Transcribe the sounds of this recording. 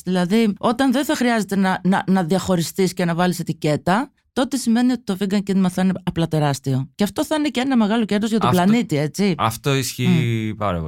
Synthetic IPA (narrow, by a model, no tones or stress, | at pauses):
ðilɐðio̞t̪ɐnðe̞nθɐxɾiɐze̞t̪e̞nɐnɐnɐðiɐxo̞ɾist̪isce̞nɐvɐlise̞t̪ice̞t̪ɐ | t̪o̞t̪e̞sime̞nio̞t̪i̥t̪o̞viɡɐŋcinimɐθɐineɐplɐt̪e̞ɾɐst̪io̞ceɐft̪o̞θɐineceenɐme̞ɣɐlo̞ce̞ɾðo̞zʝɐt̪oplɐnit̪ie̞t͡siɐ̰ft̪oisçipɐ̰ɾɐ̰p